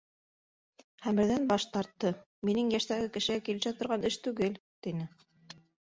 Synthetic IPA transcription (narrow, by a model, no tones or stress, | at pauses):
χæmbɘ̆ɾðænbɑʃt̪ɑɾt̪ːɤ | minɘŋjæʃt̪æɡɘkɘ̆ʃɘ̆ɡækilɘ̆ʃæt̪ŏɾʁɑnɘʃt̪ʉɡɘlt̪inɘ